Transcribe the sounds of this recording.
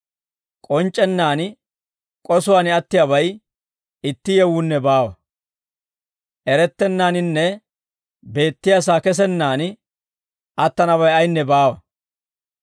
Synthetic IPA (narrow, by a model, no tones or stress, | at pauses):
kʼɔnt͡ʃʼːɛnːaːn | kʼɔsʊwaːnɪɐt̪ːɪjabɐj | ɪt̪ːɪjɛwʊnːɛbaːwɐ | ʔɛɾɛt̪ːɛnːaːnɪnːɛ | be̞ːt̪ːɪjas̬aːkɛs̬ɛnːaːn | ɐt̪ːɐnɐβɐjɐjnːɛbaːwɐ